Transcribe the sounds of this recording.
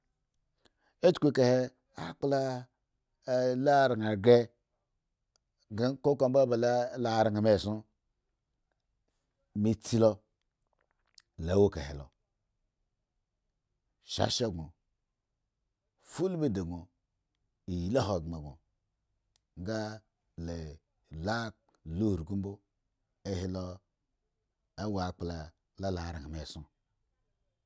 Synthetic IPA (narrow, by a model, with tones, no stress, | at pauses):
e˦t͡ʃkʷe˦ka˨he˦ | a̰˦k͡pla˦ | la˦˨ɾa˨ŋa˨ɡe˦ | ɡa˦ko˦ko˦mba˦ba˨lla˦˨ɾi˨ŋa˨me˨su˦ | mi˨t͡si˦lo˦ | la˨˦wo˦ka̰˨hḛ˨lo̰˨ | ʃa̰˦ʃe˦˨ɡo˨ | fu˦lbe˦de˨ɡo˨ | i˨ji˨la˦ɦo˨ɡe˨ɡo˨ | ŋ˦ɡa˦ | le˨ | la˦ | lu˦hɾɡu˦m˦bo˦ | e˦he˦lo˦ | e˦wa˨k͡pla˨ | la˦la˨ɾa˨me˨su˦